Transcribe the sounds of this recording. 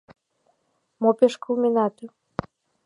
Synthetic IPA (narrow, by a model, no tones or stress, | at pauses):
mopʲeʃkulmʲinɑt̪u